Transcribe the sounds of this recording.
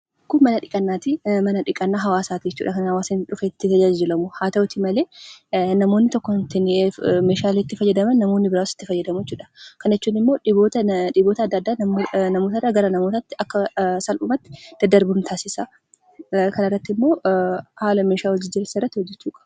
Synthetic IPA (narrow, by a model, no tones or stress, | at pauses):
kːʊnmːɐnɐᶑɪkʼɐnːaːt̪ɪmɐnɐᶑɪkʼɐnːaːɦɐwaːsaːt̪ɪd͡ʒɛt͡ʃːṵːᶑɐkɐnhɐwaːsɐnᶑʊfeːɪt̪ːɪt̪ɐd͡ʒaːd͡ʒɪlɐmʊhaːt̪ɐwʊt̪ɪmɐleːnɐmo̞ːnːɪt̪ɔkːɔt̪enːmeːʃaːlet̪ːɪfɐjːɐd̪ɐmɐnːɐmo̞ːnːɪbɪɾaːsɪ̥t̪ːɪfɐjːɐd̪ɐmʊjɛt͡ʃːuːᶑɐkɐnɛt͡ʃːuːnːɪmːo̞ːᶑɪboːt̪ɐᶑɪbo̞ːt̪ɐd̪ːɐd̪ːaːnɐmoːt̪ɐrːɐɡɐɾɐnɐmo̞ːt̪ɐt̪ːɪʔɐkːɐsɐlʊmɐt̪ːɪ̥d̪̥ɐd̪ːɐɾbʊnt̪ʰaːsɪsa | kʰɐnɪrːɐt̪ːɪmːo̞ːhaːlɐmeːʃaːwɔd͡ʒɪd͡ʒɪɾɪsɐɪrːɐt̪ːɪhɔd͡ʒːɛt͡ʃːuːkʼɐ̥b